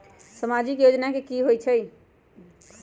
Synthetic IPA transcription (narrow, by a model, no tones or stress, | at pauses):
səmad͡ʒikjod͡ʒnakekiɦojt͡ʃʰəj